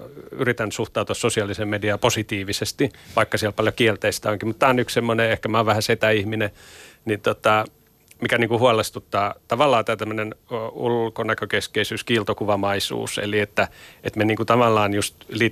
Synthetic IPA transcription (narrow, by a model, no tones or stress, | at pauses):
yrit̪ænsuht̪ɑˑut̪uɑssosiɑlisemmediɑposit̪iːʋisest̪iʋɑikːɑsiɛlpɑljokielt̪eist̪æoŋkimut̪t̪æːonykssemːoneehkæmæoʋæhæset̪æihminenit̪ot̪ɑ | mikæniːkuhuɑlest̪ut̪ːɑːt̪ɑʋɑlːˑɑːt̪æːt̪æmːønenoṵlkonækøkeskeisyːskiːlt̪okuʋɑmɑisṵːsḛliet̪ːæet̪meniːŋkut̪ɑʋɑlːɑːnjust̪liː